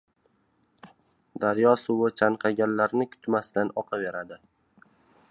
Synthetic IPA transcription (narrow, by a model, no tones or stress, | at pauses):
d̪aɾjɒsʊwʊt͡ʃʰanqʰɑɡʲanlaɾnɪkʰʊ̥t̪ʰmast̪anɒqʰɑve̞ɾad̪ɪ